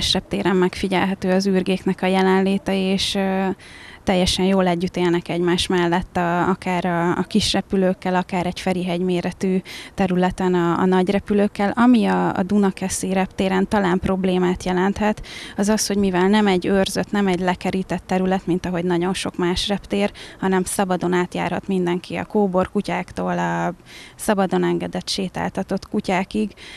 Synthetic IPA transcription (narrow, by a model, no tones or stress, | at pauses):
ʃrɛp̚t̪eːɾɛmːɛkfiɟɛlɦɛt̪øːɒzyːrɡeːknɛkɒjɛlɛnleːt̪ɛeːʃ | t̪ɛjːɛʃɛnjoːlɛɟːyt̪eːlnɛkɛɟmaːʃmɛlːɛt̪ːɒɒkaːɾɒːkiʃrɛpyløːkːɛlɒkaːɾɛɟfɛɾiɦɛɟmeːɾɛt̪yːt̪ɛɾylɛt̪ɛnɒ̰ːnɒɟrɛpyløːkːɛlɒmiɒ̰ːd̪unɒkɛsiɾɛpt̪eːɾɛnt̪ɒlaːmpro̞bleːmaːt̪jɛlɛnt̪hɛt̪ɒzɒsho̞ɟmivɛlnɛmɛɟørzøt̪nɛmɛɟlɛkɛɾit̪ɛt̪ːɛɾylɛt̪mint̪ɒɦo̞ɟnɒɟo̞nʃo̞kmaːʃrɛpt̪eːrhɒnɛmsɒbɒd̪o̞naːt̪ja̰ːrhɒ̰t̪mind̪ɛŋkʰiɒ̰koːbo̞rkucaːkt̪oːlɒsɒbɒd̪o̞nɛŋɡɛd̪ɛt̪ʃeːt̪a̰ːlt̪ɒt̪o̞t̪kucaːkiɡ